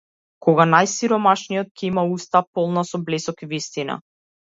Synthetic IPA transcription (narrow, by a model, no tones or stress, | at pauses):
kɔɡanajsiɾɔmaʃnijɔt̪̚cʰɛimaust̪apɔlˠnasɔblɛsɔkivist̪ina̰